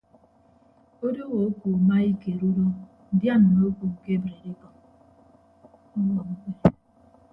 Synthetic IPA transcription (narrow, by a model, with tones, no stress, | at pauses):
o˦do˦wo˨o˦ku˨ma˦i˦ke˨ɾu˦do˦ | n̩˦dja˦n̩˨no˦ku˨ŋ̩˨ke˦bɾe˨ɾi˦kɔ˨m | ɔ˦ŋɔ˨m̩˦ke˦